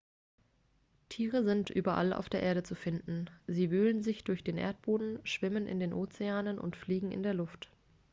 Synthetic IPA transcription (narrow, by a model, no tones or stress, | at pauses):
tʰiːʁ̞əzɪntʔyːbɐʔa̰lʔa̰ʊfd̥eːɐʔeːɐɾət͡sufɪndn̩ziːvyːlənzɪçd̥ʊɐçd̥eːnʔḛːɐt̚b̥oːdn̩ʃv̥ɪmənʔɪ̰ndeːnʔoːt͡seaːnənʔʊ̰ntfliːɡŋ̩ɪ̰ndeːɐlʊft